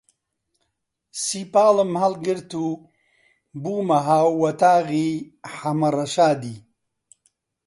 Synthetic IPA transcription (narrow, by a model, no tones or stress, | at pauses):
sipaːləmhalɡiɾt̪u | buːmaɦawwɐt̪aːɣi | ħamaɾɐʃaːd̪i